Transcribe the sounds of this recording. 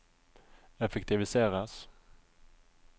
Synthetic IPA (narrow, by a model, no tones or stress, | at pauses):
ɛfɛkt̪ɪvɪseːɾas